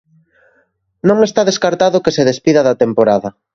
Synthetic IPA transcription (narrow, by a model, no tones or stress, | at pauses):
nõŋest̪aðeskaɾt̪aðʊkeseðespiðɐðɐt̪empoɾaðɐ